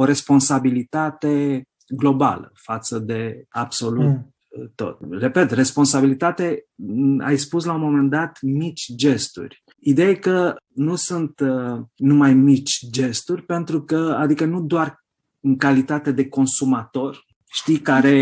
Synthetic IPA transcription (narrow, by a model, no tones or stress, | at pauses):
o̞ɾe̞spo̞nsabilit̪at̪e̞ | ɡlo̞ba̰lə̰fat̪səd̪e̞abso̞lut̪ː | o̞̰t̪re̞pe̞t̪re̞spo̞nsabilit̪at̪e̞ | a̰jspuslaumo̞me̞nd̪at̪mit͡ʃʲd͡ʒe̞st̪ṵrʲ | id̪ejekənusunt̪numajmit͡ʃʲd͡ʒe̞st̪urʲpe̞nt̪ɾukəa̰d̪ikənud̪oar | ɨŋkalit̪at̪e̞d̪e̞ko̞nsumat̪o̞r | ʃt̪ijkaɾe̞